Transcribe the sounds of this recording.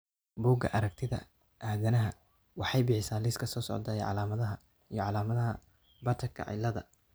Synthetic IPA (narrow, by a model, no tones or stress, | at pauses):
buːɡɐ̰ʔɐɾɐk̚t̪ʰɪðɐ̰ | ʔaːðɐnɐɦɐ | wɑħɑjbɪħɪsaːnlɪskʰɐsɔːsɔ̰ʕd̪aːjɛʕɑ̰laːmɐðɐɦɐ | ijɔʕɑlaːmɐðɐɦɐ | bɐt̪ʰɐkʰɐ̰ʕɪ̰lɐðɐ̰